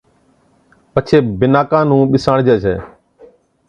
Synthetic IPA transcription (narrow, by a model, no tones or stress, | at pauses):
pət͡ʃʰeːbɪnaːkãːnũːɓɪsãːɳd͡ʒeːt͡ʃʰḛː